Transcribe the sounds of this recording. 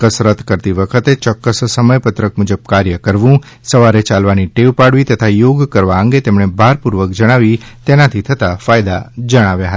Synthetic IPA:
kəsɾət̪kəɾt̪iʋəkʰət̪et͡ʃɔkːəssːəməjpət̪ɾəkmud͡ʒəb̚kaɾjəkəɾʋũ | səʋaɾet͡ʃalʋaniʈeʋpaɽʋit̪ət̪ʰajoɡkəɾʋaə̃ŋɡet̪emɳ̃ebʱaɾpuɾʋəkd͡ʒəɽ̃aʋit̪enat̪ʰit̪ʰət̪afajd̪ad͡ʒəɽ̃aʋjaɦət̪a

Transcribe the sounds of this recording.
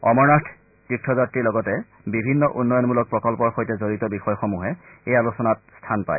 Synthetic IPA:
ɔmɔɹnastʰ | tik̚tʰɔzatɹiɹlɔɡɔtɛ | bibʱinːɔʔunːɔjɔnmulɔk̚pɹɔkɔlpɔɹxojtɛzoɹitɔbixɔjxɔmuɦɛ | ejalusɔnat̚stʰanpa̰j

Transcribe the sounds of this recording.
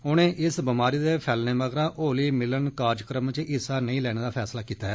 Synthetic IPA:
ʊñẽːʔɪsbɪmaːɾiːd̪eːpʰɛːlneːʋəɡɾaːʔoːliːmɪlənkaːɾd͡ʒkɾəmt͡ʃɪsaːnəĩːlɛːɽeːd̪aːpʰɛːslaːkiːt̪aːɦɛː

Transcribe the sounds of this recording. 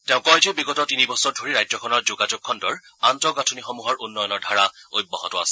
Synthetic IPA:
tɛʊ̃kɔɹtobiɡɔtɔtinibɔsɔɹdʱoɹiɹajzɔkʰɔnɔɹzoɡad͡ʒʊk̚ʰːɔndɔɹ | antɔɡatʰunixomuɦɔɹʔunːɔjɔnɔɹdʱaɹaojbːɔɦɔ̰tʊa̰sɛ̥

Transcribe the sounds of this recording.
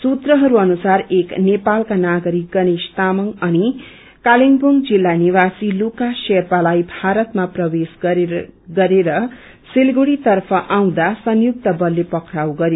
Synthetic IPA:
sut̪rʌɦʌɾuʌnusareknepalkanaɡʌɾik̚ɡʌnist̪amʌŋʌni | kaliŋbuŋd͡zilːaniwasilukasepalajbʱaɾʌt̪maprʌwes | ɡʌɾeɾʌ | silɡuɽit̪ʌrpʰʌʔaw̃d̪asʌnjuk̚t̪ʌbʌlːepʌkɾawɡʌɾjo

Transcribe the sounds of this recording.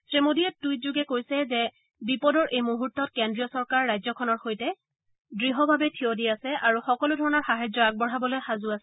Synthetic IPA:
sɹemodijɛtːujtzuɡɛkojsɛzɛ | bipɔdɔɹʔejmuɦuɹtːɔt̚kɛndɹiɔsɔɹkaɹːajzɔkʰɔnɔɹxojtɛ | dɹiɦɔbʱabɛtʰiodiasɛʔaɹuxɔkɔlʊdʱɔɹɔnɔɹxaɦajzɔak̚bɔɹ̤ɦabɔlojxazʊasɛ

